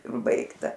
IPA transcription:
ˈbɐɪktɐ

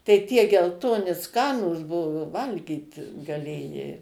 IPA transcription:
tɐɪ tʲiɛ ɡʲɛlˠˈtoːnʲɪ ˈskɑːnuːs ˈbʊʋʊ ˈʋɐlʲɡʲiːt ɡɐˈlʲeːjɛɪ

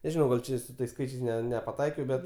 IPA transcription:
nʲɛˈʒʲɪnɐʊ ɡɐlˠ ˈt͡ʃʲɛ ɪ sʊ ˈtɐɪs ˈskɐɪt͡ʃʲɛɪs nʲɛpɐˈtɐɪkʲɛʊ ˈbʲɛt

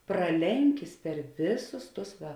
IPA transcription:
prɐˈlʲɛŋʲkʲɪs pʲɛr ˈʋʲɪˌsʊs ˈtʊs ˈʋɐ

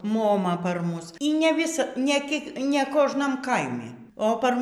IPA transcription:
moːˈmɐ pɐr ˈmʊs iː nʲɛ ˈʋʲɪsɐ nʲeː ˈkʲiɛk nʲɛ ˈkoːʒnɐm ˈkɐɪmʲɪ oː pɐr

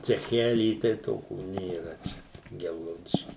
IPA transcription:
t͡sʲɛˈxʲæːlʲiː tɐɪ ˈtoːkʲuː nʲeːˈrɐ t͡ʃʲɛ ˈɡʲɛlˠɡɐʊdʲɪʃʲkʲiː

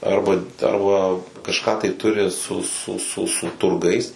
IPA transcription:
ˈɐrbɐ ˈɐrbɐ kɐʃˈkɑː tɐɪ ˈtʊrʲɪ sʊ sʊ sʊ sʊ tʊrˈɡɐɪs

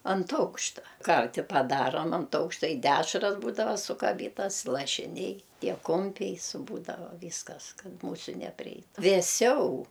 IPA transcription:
ɐnt ˈɐʊkʃtɐ ˈkɐrʲtʲɪ pɐˈdɑːroːm ɐnt ˈɐʊkʃtɐ ɪ ˈdʲæːʃrɐs ˈbuːdɐʋɐ sʊkɐˈbʲiːtɐs lˠɐʃʲɪˈnʲɛɪ ˈtʲiɛ ˈkʊmʲpʲɛɪ sʊ ˈbuːdɐʋɐ ˈʋʲiːskɐs ˈkɐt ˈmuːsʲʊ nʲɛpʲrʲɪˈɛɪtʊ ʋʲeːˈsʲɛʊ

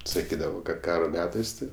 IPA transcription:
sɐˈkʲiːdɐʋoː kɐt ˈkɑːroː ˈmʲæːtɐɪs tɐɪ

